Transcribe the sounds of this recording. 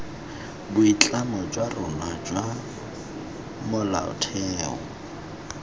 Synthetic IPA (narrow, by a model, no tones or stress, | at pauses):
bʊit͡ɬʼanɔd͡ʒwarʊnad͡ʒwa | mʊla̰ʊ̰tʰɛːɔ̰